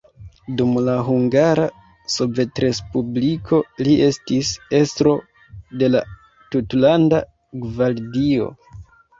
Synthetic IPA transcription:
dumlaɦuŋɡaɾa | sove̞tɾe̞spublikʰo̞liʔe̞stise̞stɾo̞ | de̞la | tutlanda | ɡvaɾdio̞̰

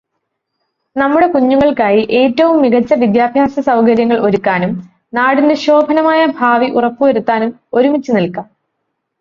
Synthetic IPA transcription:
nɐmːuɽe̞kuɲːuɣɐɭkaːjiʔe̞ːtːɐʋumːiɣɐt͡ɕːɐʋid̪jaːbʱjaːsɐsɐwkɐɾjɐŋːɐɭo̞ɾukːaːnum | naːɽinde̞ɕo̞ːbʱɐnɐmaːjɐbʱaːʋiʔurɐpːuʋɐɾut̪ːaːnum | o̞ɾumit͡ɕːunilkːɐ

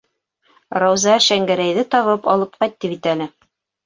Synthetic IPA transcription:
ɾɑwzɑʃæŋɡæɾæjðɘt̪ɑβɤpɑlˠɤp̚qɑjt̪ːɤpit̪ælɘ

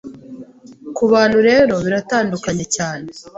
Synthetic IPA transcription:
kuβaːn̤̥huɾe̞ːɾo̞βiɾataːndukaɲe̞caːne

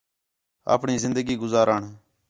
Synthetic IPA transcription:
a̰ːpɳiːzɪnd̪əɡiːɡʊzaːɾəːɳ

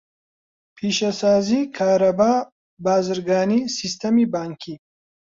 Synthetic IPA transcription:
pʰiːʃɐsaːzikʰaːɾɐbaː | baːzɨɾɡaːniːsist̪ʰɐmibaːŋkʰi

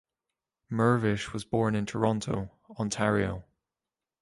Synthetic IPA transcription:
mɜ˞vɪʃwɒzbɔːɹnɪ̃ntʰəɹɒ̃ntʰoʊ | ɔ̃ntʰaɹio̰ʊ

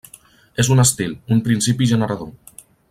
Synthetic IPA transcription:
ezunəst̪ilˠumpɾinsipiʒənəɾaðo

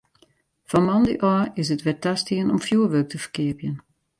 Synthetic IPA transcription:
fɔmɑndə̰ʔɔːɪsətʋɛtastiənɔmfjuːʋøːk̚təfə̥rkɪəpjən

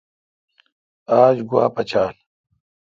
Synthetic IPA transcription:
aːd͡ʑɡuwa̰ːpɐt͡ɕaːl

